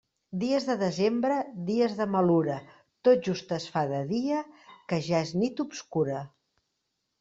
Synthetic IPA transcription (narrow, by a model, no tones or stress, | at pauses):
d̪iəzðəðəzembɾəðiəzðəməluɾə | t̪ot̪̚ʒust̪əsfaðəðiəkəʒaeznit̪upskuɾə